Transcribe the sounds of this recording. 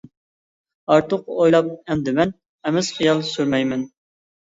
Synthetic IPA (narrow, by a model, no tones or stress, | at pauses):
ɑɾt̪ʰʊqojlˠɑp̚ɛnd̪ɪmɛn | ɛmɪz̥χijɑlˠsyɾmɛjmɛn